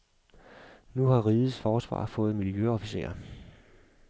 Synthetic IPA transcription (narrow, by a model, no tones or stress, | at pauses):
nuhɑ̈ʁiːð̩ˠsfɒːsʋɑ̰̈ːfɔ̽ːð̩ˠmiljøɒ̽fise̝̰ɐ̰